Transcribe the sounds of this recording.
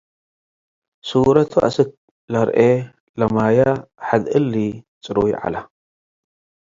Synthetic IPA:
suɾɐt̪ʰuʔa̰sɨk̚ | lɐɾʔe | lɐmajaħad̪ɨlːi | t͡sʼɨɾuwjʕa̰la

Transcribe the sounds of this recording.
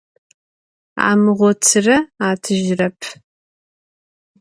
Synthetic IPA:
a̰ːmɨʁʷɔt͡sʰɨrɐaːtʰɨʒrɐpʰ

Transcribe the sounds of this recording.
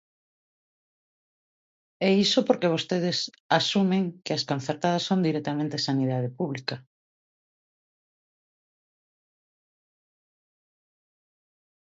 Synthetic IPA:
ɛisopoɾkeβ̞ost̪eð̞ɪs | asumeŋkeɐskon̟θeɾt̪að̞ɐsːõnd̪iɾɛk̚t̪amẽnt̪esaniðað̞epuβlika

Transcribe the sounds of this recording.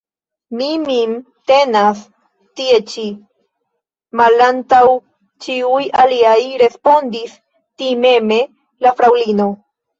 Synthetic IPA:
mimim | t̪e̞nas | tie̞t͡ʃi | malantaw | t͡ʃiujaliajɾe̞spo̞nd̪is | time̞me̞ | lafɾawlino̞

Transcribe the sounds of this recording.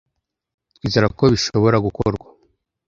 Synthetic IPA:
izaɾakoβiʃo̞βo̞ɾaɡukoɾɡwa

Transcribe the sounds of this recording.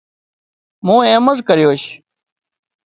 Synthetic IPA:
mũːẽːməzkəɾjoːɕ

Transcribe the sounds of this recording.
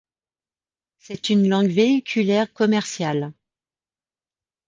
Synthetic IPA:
sɛt̪ynlɑ̃ɡveikʲʰylɛʁkɔmɛʁsjal

